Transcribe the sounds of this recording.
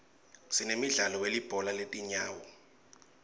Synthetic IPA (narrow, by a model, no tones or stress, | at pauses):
sinemiɮalɔwelib̥ʱɔlaletʼiɲaːwɔ